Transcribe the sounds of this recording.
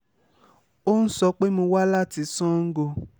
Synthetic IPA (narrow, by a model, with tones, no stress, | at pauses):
o˦ñ̩˦sɔ˧˦k͡pe˦mõ˧wa˦la˦˨ti˧˦sɔ̃˦ŋ̩˦ɡo˧